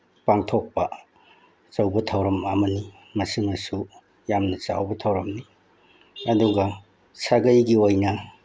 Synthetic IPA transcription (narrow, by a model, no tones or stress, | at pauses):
paŋtʰok̚pɐ | t͡ʃɐwbɐtʰɐwɾɐmɐmɐni | mɐsimɐsu | jamnɐt͡ʃa̰wbɐtʰɐwɾɐmni | ɐduɡɐ | saɡɐjɡiojnɐ